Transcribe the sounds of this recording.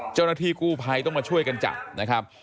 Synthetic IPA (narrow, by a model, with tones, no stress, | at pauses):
t͡ɕa˥˩wnaː˥˩t̪ʰiː˧˩kuː˥˩pʰa˧˥jt̪ɔ˥˩maː˧t͡ɕʰu˥˩əjka˧nt͡ɕa̰˨˩na˦˥kʰɾa˦˥p̚